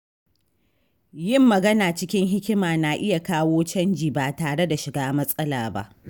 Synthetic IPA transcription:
jɪ˦˨mːɐ˨ɡɐ˦naː˨t͡ʃɪ˦kʲɪ˦ŋɦɪ˦kʲɪ˦maː˨na˨ʔɪ˦ja˨kaː˦woː˦t͡ʃɐ˦nd͡ʒiː˨baː˨taː˨ɽe˦da˨ʃɪ˨ɡaː˦mɐ˦sʼɐ˦laː˨ba̰˦ʔ

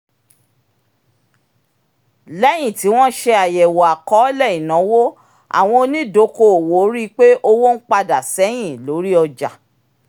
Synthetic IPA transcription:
lɛ˦j̃ĩ˦˨ti˨˦w̃ɔ̃˦ʃe˧a˨jɛ˨wɔ˨a˨kɔ˨˦lɛ˦˨i˨nã˨˦wo˦ | a̰˨w̃ɔ̃˧o˧nĩ˦do˨˧˦ko˧o˨wo˨˦ɾi˦k͡pe˦ʔo˧wo˦n̩˦k͡pa˧da˨sɛ˨˦j̃ĩ˦˨lo˨˦ɾi˦ɔ˧d͡ʒa˨

